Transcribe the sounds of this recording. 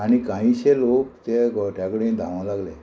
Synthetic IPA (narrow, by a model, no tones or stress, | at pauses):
aɽ̃ikãɦĩɕelokt̪eʈjakəɽẽd̪ʱãʋãlaɡle